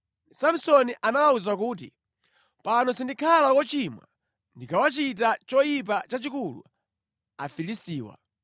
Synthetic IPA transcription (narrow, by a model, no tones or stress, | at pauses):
samsɔniʔanawauzakuːt̬ḭ | panɔsindikʰalakɔt͡ʃimwa̰ | ndikawat͡ʃit̬at͡ʃɔjip̬at͡ʃat͡ʃikulṵ | a̰filistiːwa̰